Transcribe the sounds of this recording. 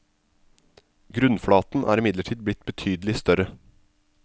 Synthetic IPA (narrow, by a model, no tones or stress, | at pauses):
ɡɾʉnfɽɑːt̪n̩ʔæ̰ːɾɪmɪd̪ləʈʰiːd̪̚blɪt̪bət̪ʰyːd̪əlɪst̪œɾə